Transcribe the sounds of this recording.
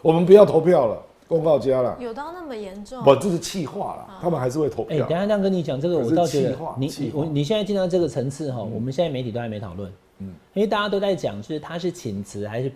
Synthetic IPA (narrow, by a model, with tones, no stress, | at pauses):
wɔ˨˩mə˨˦npu˨jɑ˥˩ʊt̪ʰo˧˥ʊpʰjɑ˥˩ʊlə̰˩ | kʊ˥ŋkɑ˥˩ʊt͡ɕja˦lə̰˨jo˨˩ʊt̪ɑ˥˧ʊna˥˩mə˨jɛ˧˥nʈ͡ʂʊ˥˨pə˨˩nt͡ɕu˥˧˥t͡ɕʰi˥˧xwa̰˥˩lə̰˩t̪ʰa˥mə˨nxa˧ɪʂɻ̩˥˧we˥˩t̪ʰo˧˦ʊpʰe˥˩ɪ̰˨˩˥kə˥ni˧˥t͡ɕjɑ˨˩ŋʈ͡ʂɤ˥˩ɡə˩wɔ˨˩ɑ˥˩ʊt͡ɕɥɛ˧˥ə˧˥˧ni˨˩˦wɔ˨˧˦ni˨˩ɕjna˥˧t͡ɕi˥˧n˧ɑ˥˧˩ʈ͡ʂɤ˥˩ɡə˩ʈ͡ʂʰə˧˥ŋt͡sʰɹ̩˥˨xɔ˥˩wɔ̰˨˩mə˦ɕjɛ˥˧nt͡sa˥˩me˧ɪt̪i˨˩to˥xɪme˧˥ɪt̪ʰɑ˨˩lwə̰˥˩n | i˥e˧˩t̪a˥˩t͡ɕja˥o˥ʊt͡sa˥˩ɪt͡ɕjɑ˨˩ŋt͡ɕjo˥˧ʊʂɻ̩˥˩t̪ʰa˥ʂ̬ɻ̩˥˩t͡ɕʰi˨˩nt͡sʰɹ̩˧˥xa˧˥ɪʂɻ̩˥˩